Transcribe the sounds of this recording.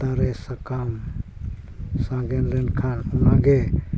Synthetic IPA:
t̪aɾesakam | sãɡɛnlɛɳɖkʰanunaɡe

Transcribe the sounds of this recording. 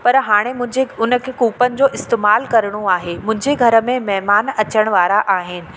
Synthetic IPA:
pɐɾɦaːɽ̃emʊ̃d͡ʑeʊnə̆kʰekuːpənɪ̆d͡ʑoːʔɪst̪eːmaːlkɐɾəɽ̃oaːɦemʊ̃ɦɪ̃ɲd͡ʑeɡʱɐɾə̆mẽmɛɦmaːnɐt͡ɕəɽ̃ʋaːɾaʔaːɦɪnɪ̆

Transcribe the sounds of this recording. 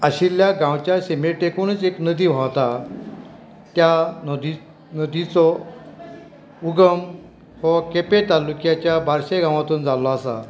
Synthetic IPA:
əɕiljaɡãwt͡ɕjaɕemeʈekunət͡seknəd̪iːʋ̤ʱawt̪a | t̪jand̪i | nəd̪it͡sɔ | uɡəm | hɔkepet̪alukjat͡ɕjabaɾɕeɡãʋ̃at̪uːnd͡zalɔasa̰

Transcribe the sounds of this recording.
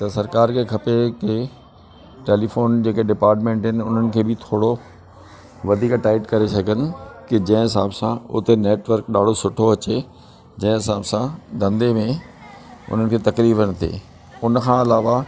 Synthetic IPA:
t̪ɐsɐɾkaːɾkʰekʰɐpeke | ʈeːlifoːnd͡ʑeːkeɖɪpaːɾʈmẽːɳʈɦɪnɪ̆ʊn̤ənɪ̆kʰeːbɪt̪ʰoːɽo | ʋɐd̪ʱiːkʈaːɪʈkɐɾesɐɡʱənɪ̆kɪd͡ʑɐ̃ɦɪ̃ɦɪsaːbsãʊ̰t̪eneːʈʋəɾkɗaːɖ̤ʱosʊʈʰoɐt͡ɕe | d͡ʑɐ̃ɦɪ̃ɦɪsaːbsãd̪ɐ̃nd̪emẽ | ʊ̰n̤ənɪ̆kʰeːt̪ɐkɾiːbənt̪ʰḛː | ʊnəkʰãɪlaːʋa

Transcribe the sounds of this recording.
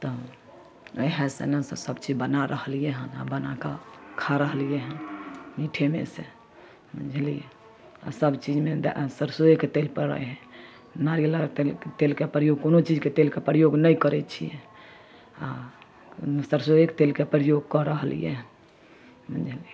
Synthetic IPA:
t̪ɔ | əɦɛ̃sḛnəsəsəbt͡ʃid͡ʒbənaɾʔəɦlijeɦəna̰bənakakʰaɾəɦlijeɦənmiʈʰemḛse | mə̰̃nd͡ʒʱəlije | a̰səbt͡ʃid͡ʒmed̪səɾsojeket̪elpəɾɾə̰jɦɛ̃ | naɾilaɾt̪elkepɾəjoɡkonot͡ʃid͡ʒket̪elkepɾəjoɡnəjkəɾɛt͡ʃʰije | a̰ | səɾsojekt̪elkepɾəjoɡ̚kɔɾəɦlḭjɛ̰ɦən | mənd͡ʒʱəliɛ

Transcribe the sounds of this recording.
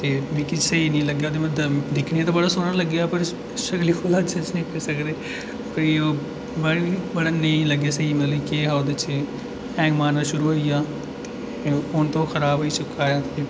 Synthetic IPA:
t̪eːbeːkɪsəiːnĩːləɡjaːd̪eməd̪d̪ɪkʰɽiaːt̪̬aːbəɽaːsoːɽaːləɡjaːpəɾ | ʃəkliːkʰoːlaːt͡ʃʰət͡ʃnĩːpeɾsəkd̪eː | pəɾioː | bəɽibəɽaːnəĩːləɡaːsəiːmət̪lːkeɦad̪ət͡ʃ | ɛ̃ːɡmaːnaːʃʊɾuːɦoːijaː | ʊnt̪õːxəɾaːbɦoːiːsʊkːaːjaːi

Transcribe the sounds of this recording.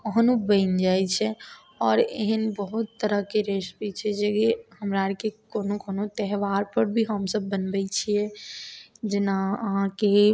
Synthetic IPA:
kəɦənubə̃ɪnd͡ʒajt͡ʃʰɛ | ɔːɾeɦənbəɦut̪ːəɾəɦkeɾesbit͡ʃʰɛd͡ʒeɡehəmɾaɾkekonokoːnot̪ɛɦʋaɾpəɾbʱiɦəmsəbːənbɛt͡ʃʰijɛ | d͡ʒɪnaəɦãke

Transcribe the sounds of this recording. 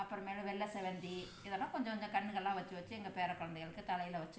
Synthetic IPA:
ɐpːɯɾɐ̃meːlɯ̃ʋɛɭːɐsɛʋɛnd̪i | ɪðɐlːãːkɔɲd͡ʒɔ̃kɔɲd͡ʒɐ̃kɐɳːɯɣɐɭlãːʋɐt͡ʃːɯʋɐt͡ʃːɯɛŋɡɐpeːɾɐkːɔɻɐnd̪ɛɪɣɐɭɯkːɯt̪ɐlɐjɪlɐʋɐt͡ʃːɯ

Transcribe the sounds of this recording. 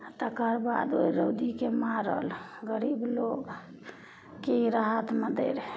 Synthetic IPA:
t̪əkəɾba̰d̪oiɾəwd̪ikemaɾə̰lɡəɾibloɡ | keɾəɦət̪məd̪ḛɾ

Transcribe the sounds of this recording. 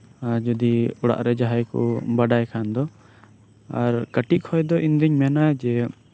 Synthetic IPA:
ad͡ʒud̪iɔɽa̰ʔɾɛd͡ʒaɦajkɔ̰baɖajkʰand̪ɔ | a̰ɾkəʈiʔ̚kʰɔjd̪ɔʔind̪iɲmɛnad͡ʒɛ

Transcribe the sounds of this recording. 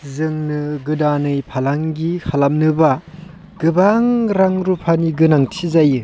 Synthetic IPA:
zɯŋnɯɡɯdanɯjpʰalaŋɡikʰalam̚nɯba | ɡ̥ɯbaŋɾaŋɾupʰaniɡɯnaŋtʰizajɯ

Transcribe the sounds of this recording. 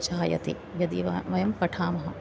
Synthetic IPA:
t͡ʃaːjɐ̰t̪ḭ | jɐd̪iʋɐjɐmpɐʈʰaːmɐɦɐ

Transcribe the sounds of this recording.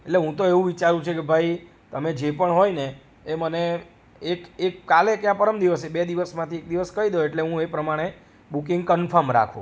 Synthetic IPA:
eʈleɦũt̪oeʋũʋit͡ʃaɾũt͡ʃʰekebʱai | t̪əmed͡ʒepəɳɦojneː | məneː | kekkalekjãpəɾəmd̪iʋəsebed̪iʋəsmãt̪ʰiek̚d̪iʋəskəid̪oeʈleɦũepɾəmaɽ̃e | bukiŋɡkənfʰəɾmɾa̰kʰṵ̃

